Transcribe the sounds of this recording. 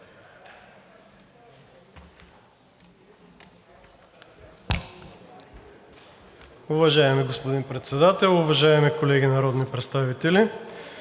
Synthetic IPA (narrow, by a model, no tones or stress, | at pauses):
ʊvɐʒaɛmiɡospod̪inpɾɛt̪sɛd̪at̪ɛlˠʊvɐʒaɛmikolɛɡʲinɐɾɔd̪nipɾɛt̪st̪avit̪ɛli